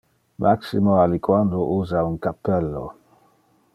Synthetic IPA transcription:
mʔaksimoalikwand̪oʔuːzauŋkapːɛlːo̰

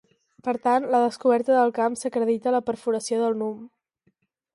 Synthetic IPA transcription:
pəɾt̪anləðəskuβɛɾt̪əðəlˠkamsəkɾəðit̪ələpəɾfuɾəsioðəlˠnum

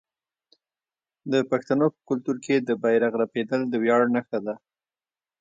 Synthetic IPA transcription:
d̪əpaxt̪anopə̥kʊlt̪uɾkʰed̪əbajɾaɣɾaped̪əld̪əwjɑɽnəxad̪a

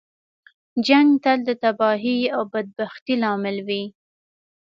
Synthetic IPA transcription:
d͡ʒaŋɡt̪ald̪ət̪abɑɦiawbad̪̚baxt̪ilɑmɪlwi

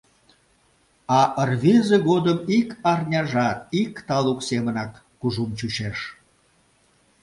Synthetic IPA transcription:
ɑʔərβezeɣod̪əmikɑrnʲɑʒɑt̪̚ikt̪ɑluksemənɑkːuʒumt͡ɕuɕeʃ

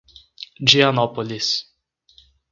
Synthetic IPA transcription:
d͡ʒʲiɐnɔpɔlʲɪs

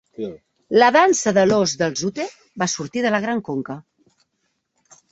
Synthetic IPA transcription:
ləðansəðəlozðəlˠzut̪e | basuɾt̪iðələɣ̞ɾaŋkoŋkə

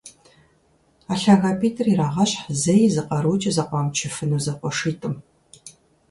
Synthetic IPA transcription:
aːɬaɣaːpʰiːtʰʼɨriraːʁɐɕʼħzɐjzɨqʼɐɾut͡ʃʼɐzɐqʷɑːmt͡ʃʰɪfɨnɨzɐqʷʼɔʂiːtʼɨm

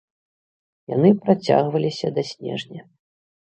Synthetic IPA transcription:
ja̰n̪ɨpɾat͡sʲa̰ɣvɐlʲisʲɐd̪ɐsʲnʲɛ̰ʐnʲɐ

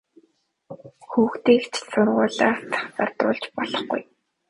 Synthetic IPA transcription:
xuːxt̪iːkt͡ɕʰsʊrʁʊːɮaːsḁχt͡sart̪ʊ̰ːɮt͡ɕpɔɮɞ̆χɡṵj

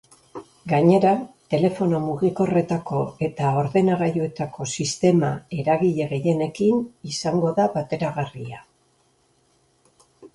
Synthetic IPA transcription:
ɡaɲe̞ɾat̪e̞le̞fo̞no̞muɣiko̞re̞t̪ako̞e̞t̪ao̞ɾðe̞naɣajoe̞t̪ako̞sist̪e̞mae̞ɾaɣiʎe̞ɣe̞je̞ne̞kinisaŋɡo̞ðaβat̪e̞ɾaɣaria

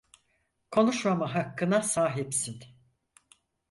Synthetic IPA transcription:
kʰo̞nuʃmamaɦakːɯnasaːɦipsin

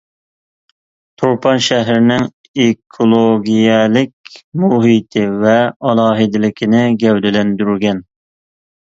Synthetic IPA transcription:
t̪ʰoɾpʰɑnʃɛɦɾɪnɪŋ | ekʰolˠoɡʲijɛlɪkʲmuɦit̪ʰɪvɛɑlˠɑːɦɪd̪ɪlɪkʲʰinɪɡʲɛwd̪ɪlɛnd̪yɾyɡʲɛn

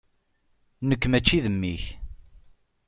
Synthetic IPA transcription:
nəkːmæt͡ʃːiðəmːiç

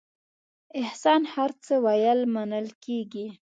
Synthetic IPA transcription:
ɪhsɑnhaɾt͡səwajəlmanəlkeɡi

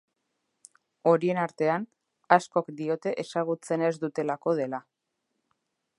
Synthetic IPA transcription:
o̞ɾie̞naɾt̪e̞an | asko̞kd̪io̞t̪e̞ʔesaɣ̞ut͡se̞ne̞zd̪ut̪e̞lako̞ð̞e̞la

